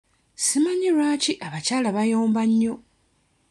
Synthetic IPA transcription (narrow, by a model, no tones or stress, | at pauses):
simaɲiɾwaːciʔaβacaːlaβajo̞ːmbaɲːo̞